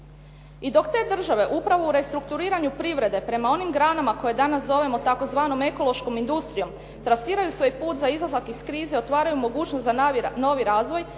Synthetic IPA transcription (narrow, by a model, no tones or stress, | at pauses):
id̪o̞kt̪e̞d̪r̩ʒaʋe̞ʔupɾaʋouɾe̞st̪ɾuk̚t̪uɾiːɾaɲupɾiʋɾe̞d̪e̞pɾe̞mao̞nimɡɾaːnamako̞je̞d̪anaszo̞ʋe̞mo̞t̪ako̞zʋaːno̞me̞ko̞lˠo̞ʃko̞mind̪ust̪ɾijo̞m | t̪ɾasiːɾajusʋo̞jpuːt̪zaizlazakiskɾiːzeo̞t̪ʋaːɾajumo̞ɡuːt͡ʃnost̪zano̞ʋiɾaːzʋo̞j